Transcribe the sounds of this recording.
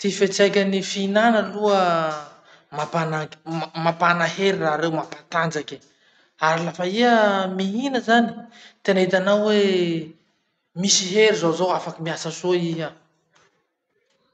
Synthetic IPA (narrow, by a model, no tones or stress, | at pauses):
t̪ifet͡sajkʲanifinanəluə | mapanamapanaheɾiraɾewmapḁt̪and͡zakʲi̥ | aɾilafaiəmiɦinəzani̥t̪enait̪anawwe | misiɦeɾizowzowafakimiasəsoiɦa